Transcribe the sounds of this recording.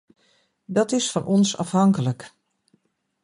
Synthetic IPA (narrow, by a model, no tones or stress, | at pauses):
dɔtɪsfɔnʔɔnsɑ̰fɦɑŋkələk